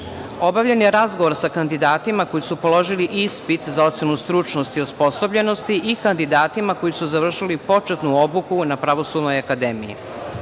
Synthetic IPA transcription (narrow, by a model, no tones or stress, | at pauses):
o̞baʋʎenjeɾazɡoʋo̞ɾsakand̪id̪aːt̪imako̞jisupo̞lo̞ʒiliʔispit̪zao̞t̪sjenust̪ɾut͡ʃno̞st̪iospo̞sobʎe̞no̞st̪iʔikand̪id̪aːt̪imako̞jisuzaʋr̩ʃilipo̞t͡ʂet̪nuo̞bukunapɾaʋo̞suːd̪no̞jakad̪emḭjḭ